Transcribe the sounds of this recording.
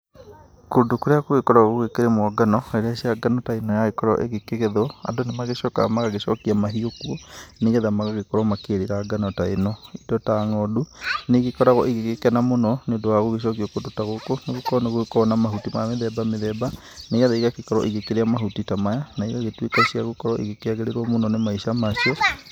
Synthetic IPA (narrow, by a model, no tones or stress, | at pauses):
kondokuɾeakoɣekɔɾaɣoɣekeɾemwɔɡanɔeɾeaʃiaɡanɔtainɔjaekɔɾɔ̰ʔḛɣekeɣeðɔa̰ndonemaɣeʃɔka̰maɣaɣeʃɔ̰kiamaɦiokuɔneɣɛðamaɣaɣekɔɾɔmakeɾeɾaɡanɔtainɔidɔtaŋɔduneɣekɔɾaɣɔʔiɣekekɛnamonɔnedoaɣoɣeʃ̬ɔkiɔkodotaɣokoneɣokɔɾɔneɣokɔnamaɦutimameðɛbameðɛba | neɣɛðaiɣakekɔɾɔ̰ʔiɣekeɾeamaɦutitamajanaiɣaɣetwekaʃiaɣokɔɾɔʔḭɣekeaɣeɾeɾwɔmonɔnemaiʃamaʃiɔ